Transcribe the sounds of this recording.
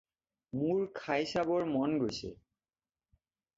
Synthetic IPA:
muɹkʰajsabɔɹmɔnɡojsʰḛ

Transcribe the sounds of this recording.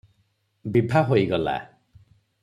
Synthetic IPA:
bibʱaɦojɡɔla̰

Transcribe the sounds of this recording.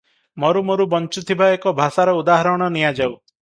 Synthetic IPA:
mɔɾumoɾubɔnt͡ʃut̪ʰibaekɔbʱasaɾɔud̪aɦɔɾɔɽ̃ɔnijad͡ʒaw

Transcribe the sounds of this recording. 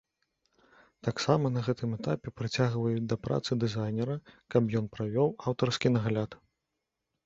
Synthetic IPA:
t̪aksamɐnɐɣɛt̪ɨmɛt̪apʲɛpɾɨt͡sʲaɣvɐjud̪ɐpɾa̰t̪sɨd̪ɨzajnʲɛɾɐkɐpjɔn̪pɾavʲɔwawt̪ɐrskʲinɐɣalʲat̪

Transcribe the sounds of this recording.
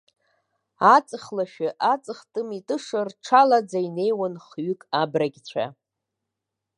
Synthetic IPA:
at͡sʼɨχlaʃᶣaʔat͡sʼɨχtʼɨmitʼɨʂɨrʈ͡ʂʰalad͡zaine̞jwanχɥʏkʼabraɡʲt͡ɕʷʰa̰

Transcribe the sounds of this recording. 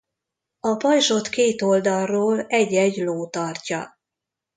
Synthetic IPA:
ɒpɒjʃo̞t̪keːt̪o̞ld̪ɒrːoːlɛɟɛɟloːt̪ɒrcɒ̰

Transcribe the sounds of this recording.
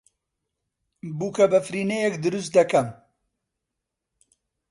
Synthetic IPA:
buːkɐbɐfɾiːnejɛkd̪ɨɾɨst̪̚d̪ɐkɐm

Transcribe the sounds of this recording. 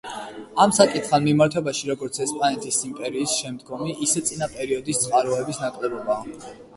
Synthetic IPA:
amsakʼit̪ʰχanmimaɾt̪ʰwɛbaʃiɾɔɡɔɾt̪sʰɛspʼanɛt̪ʰʼisimpʼɛɾiːsʃɛmd̪ɡɔmiʔisɛt̪sʼinapʼɛɾiɔd̪ist̪sʼqʼaɾɔɛbisnakʼlɛbɔbaː

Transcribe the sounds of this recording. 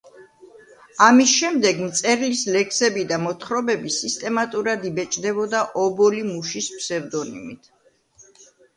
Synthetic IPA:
amisʃɛmd̪ɛɡmt̪sʼɛɾlislɛkʰsɛbid̪amɔt̪ʰχɾɔbɛbisist̪ʼɛmat̪ʼuɾad̪ibɛt͡ʃʼd̪ɛbɔd̪aʔɔbɔlimuʃispʰsɛɾd̪ɔnḭmit̪ʰ

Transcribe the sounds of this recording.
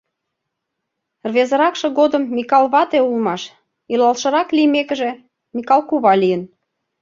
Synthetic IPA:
rβezəɾɑkʃɤ̆ɣod̪əmːikɑlˠβɑt̪eulmɑʃ | ilɑlʃɤ̆ɾɑklimekə̆ʒĕ | mikɑlˠkuβɑlijən

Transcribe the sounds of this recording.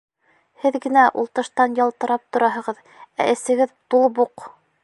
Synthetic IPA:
hɘðɡɘ̆næʔṵlˠt̪ɤ̆ʃt̪ɑnjɑlˠt̪ɤ̆ɾɑp̚t̪ŏɾɑɦɤ̆ʁɤð | æ̰ʔɘ̆sɘ̆ɡɘðt̪ulˠbuq

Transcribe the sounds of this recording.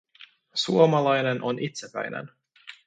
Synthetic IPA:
suomɑlɑjnenʔonʔit̪sepæ̰jnḛn

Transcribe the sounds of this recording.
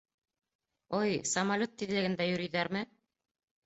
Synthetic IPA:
ojsɐmalʲot̪ːiðlɘ̆ɡɘ̆nd̪æjɵ̆ɾɘ̆jðæɾmɘ

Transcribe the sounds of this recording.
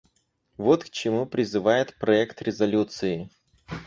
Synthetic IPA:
vot̪kt͡ɕɪmupɾʲɪzɨvajɪt̪pɾɐɛkt̪ɾʲɪzɐlʲut̪sɨɪ

